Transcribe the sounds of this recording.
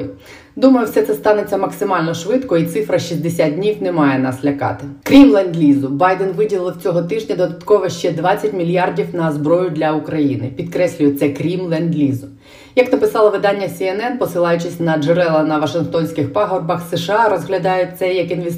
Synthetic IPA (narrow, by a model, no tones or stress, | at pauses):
d̪umɐjʊwsɛt̪sɛst̪ɑnet͡sʲːɐmɐksɪmɑlʲnɔʃʋɪt̪kɔit̪sɪfɾɐʃizd̪esʲad̪̚dʲnʲiwnɛmɑjɛnɑslʲɐkɑ̰t̪ɪkɾʲimlˠɛnd̪lʲizʊbɑjd̪ɛnʋɪdʲilˠɪlˠwt͡sʲɔɦɔt̪ɪʒnʲɐd̪ɔd̪ɐt̪kɔʋɛʃt͡ʃɛd̪ʋɑt͡sʲːɐtʲmʲilʲjɑrdʲiwnɐzbɾɔjʊd̪ʲlʲɐukɾɐjinɪpʲid̪kɾɛsʲlʲʊjɛtsɛkɾʲimlˠɛnd̪ʲlʲizʊ | jɐknɐpɪsɑlˠɔʋɪd̪ɑnʲːɐsʲiɛnɛnpɔsɪlˠɑjʊt͡ʃɪsʲnɐd͡ʒeɾɛlˠɐnɐʋɐʃɪnxt̪ɔnʲsʲkɪxpɑɦɔrbɐxseʃɪɑɾɔzɦlʲɐd̪ɑjʊt̪sɛjɐkinʋe